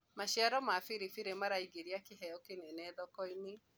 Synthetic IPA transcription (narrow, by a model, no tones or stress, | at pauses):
maɕiaɾɔmafiɾifiɾemaɾaiɡeɾiakeɦɛjɔkenenɛðɔkɔine